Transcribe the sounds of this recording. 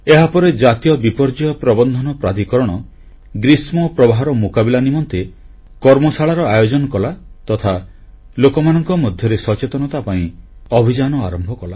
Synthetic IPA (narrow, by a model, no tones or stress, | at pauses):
eɦapɔɾed͡ʒat̪ijɔbipɔɾd͡ʒɔjɔpɾɔbɔnd̪ʱɔnɔpɾad̪ikɔɾɔɽ̃ɔ | ɡɾismɔpɾɔbaɦɔɾɔmokabilanimɔnt̪e | kɔɾmɔsaɭaɾɔajod͡ʒɔnɔkɔlat̪ɔt̪ʰa | lokɔmanɔŋkɔmɔd̪ʱjɔɾesɔt͡ʃet̪ɔnɔt̪apaĩɔbʱid͡ʒanɔaɾɔmbʱɔkɔla